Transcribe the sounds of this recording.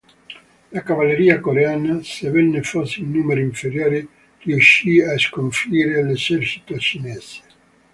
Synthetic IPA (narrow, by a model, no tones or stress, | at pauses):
lakavalːeɾiːakoɾeaːnasevɛnːefɔsːeilnuːmeɾiiɱfeɾjoːɾi | rjuʃiaskoɱfiːɾelezɛrt͡ʃi̥t̪ot͡ʃinɛse̥